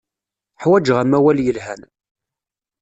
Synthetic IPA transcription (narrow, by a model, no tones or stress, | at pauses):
ħwæd͡ʒʁamæwæljəlɦæn